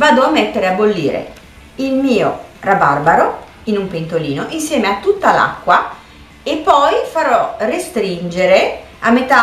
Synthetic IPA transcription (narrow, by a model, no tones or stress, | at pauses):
vaːd̪oamːet̪ːeɾeabolːiːɾḛ | ilmiːorabarbaɾo | inumpent̪oliːnoʔinsjɛːmeat̪ːut̪ːala̰kːwa | epːɔjfaɾɔrest̪ɾind͡ʒeɾe | amːet̪a